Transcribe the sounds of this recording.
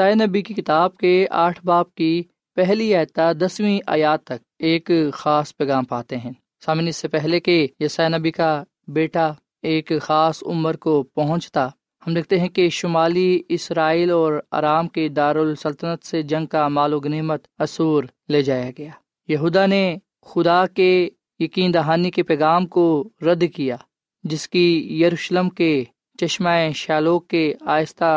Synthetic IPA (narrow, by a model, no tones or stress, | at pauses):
jsaːjenɐbikikɪt̪aːb̚keaːʈʰbaːp̚ki | pɛɦliaːt̪ad̪ɐswĩʔa̰ːjaːt̪ːɐk̚ | eːkxaːspɛːɡaːmpaːt̪eɦɛ̃ː | saːmɪnɪsːepɛɦlekejɐsaːjenɐbika | beːʈa | eːkxaːsʊ̰məɾkopɐɦʊ̃t͡ʃt̪a | hɐmd̪eːk̚ʰt̪eɦɛ̃keʃʊmaːliɪsɾaːiːlɔːɾa̰ːɾaːmked̪aːɾʊlsɐlt̪ənət̪sed͡ʒɐ̃ŋɡ̚kamaːloɡneːmət̪ɐsuːɾ | leːd͡ʒaːjaɡɐjaː | jɐɦuːd̪ane | xʊd̪ake | jɐkiːnd̪ɐɦaːnikepɛːɡaːmkoɾɐd̪kijaː | d͡ʒɪskijɐɾuːʃləmke | t͡ʃɐʃmaːẽʃaːloːkːeaːjst̪a